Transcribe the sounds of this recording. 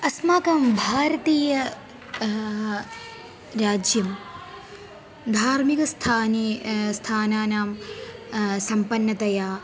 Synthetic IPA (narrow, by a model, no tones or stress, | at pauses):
ɐsmaːkɐmbʱaːɾɐt̪iːjɐ | ɾaːd͡ʒjɐm | d̪ʱaːɾmikɐst̪ʰaːnist̪ʰaːnaːnaːm | sɐmpɐnːɐt̪ɐjaː